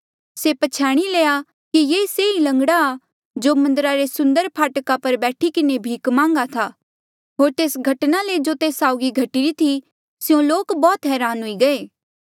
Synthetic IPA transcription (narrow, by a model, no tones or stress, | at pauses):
sepɐt͡ʃʰɛːɽ̃ileːja | kijeːseilɐ̃ŋɡɽaː | d͡ʒoːmɐ̃nd̪əɾaɾesʊ̃nd̪əɾpʰaːʈkapɐɾbɛːʈʰikɪnebʱiːkmãːŋɡat̪ʰaː | ɦoːɾt̪eːsɡʱɐʈnaled͡ʒoːt̪eːsaːʊɡiɡʱɐʈiɾit̪ʰi | sɪjõloːkbɔːt̪ɦɛːɾaːnɦʊiɡɐeː